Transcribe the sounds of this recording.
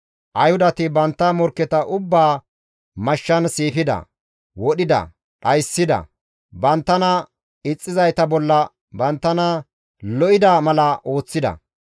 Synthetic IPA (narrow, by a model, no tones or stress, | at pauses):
ʔɐjhʊd̪ɐt̪ɪbɐnt̪ːɐmɔɾkːɛt̪ɐʔʊbːaː | mɐʃːɐnsiːfɪd̪ɐ̰ | wɔɗɪd̪ɐ̰ | ᶑɐjsːɪd̪ɐ̰ | bɐnt̪ːɐnɐ | ɪt͡sʼːɪzɐjt̪ɐbɔlːɐ | bɐnt̪ːɐnɐ | lɔʔɪd̪ɐmɐlɐʔo̞ːt͡sːɪd̪ɐ̰